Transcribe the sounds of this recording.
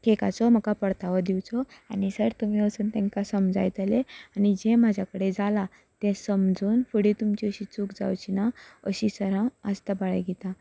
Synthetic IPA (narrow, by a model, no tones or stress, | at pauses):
keka̰t͡sɔm̤əkapəɽt̪aʋəd̪iwt͡sɔanisəɾt̪um̤iəsuːnt̪ɛ̃ŋkasəmd͡zajt̪əleanid͡ʑemad͡ʑʱjakəɽed͡zala | t̪ɛ̃səmd͡zuːnfəɽit̪umt͡ɕiəɕit͡suːkd͡za̰wt͡ɕinaə̰ɕisəɾãəst̪abaɭəjɡʱet̪a